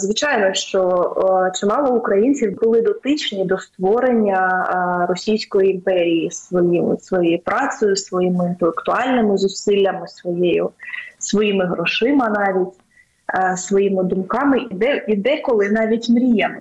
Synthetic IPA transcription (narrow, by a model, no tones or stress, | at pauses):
zʋʲit͡ʃɑjnɔʃt͡ʃɔt͡ʃɪmɑlˠɔʊkɾɐjinʲt͡sʲiwbʊlˠɪd̪ɔt̪ɪt͡ʃnʲid̪ɔst̪ʋɔɾenʲːɐrɔsʲijsʲkɔjiːmpɛɾʲijisʋɔjimɪ̰sʋɔjejʊpɾɑsɔjʊsʋɔjimɪint̪elˠekt̪ʊɑlʲnɪmɪzʊsɪlʲːɐmɪsʋɔjejʊ̰sʋɔjimɪɦɾɔʃɪmɪnɑʋʲitʲ | sʋɔjimɪd̪ʊmkɑmɪid̪ɛid̪ɛkɔlˠɪnɑʋʲitʲmɾʲijɐmɪ